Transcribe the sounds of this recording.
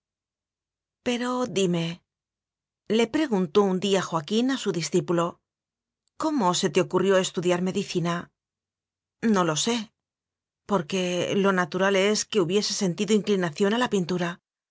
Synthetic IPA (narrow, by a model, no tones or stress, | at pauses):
pe̞ɾo̞ðime̞ | le̞pɾe̞ɣ̞unt̪o̞und̪iaxwakinasuðisθipulo̞ | ko̞mo̞se̞t̪e̞o̞kurjo̞e̞st̪uðjaɾme̞ðiθina | no̞lo̞se̞ | po̞ɾke̞lo̞nat̪uɾale̞ske̞uβje̞se̞se̞nt̪iðoiŋklinaθjo̞nalapint̪uɾa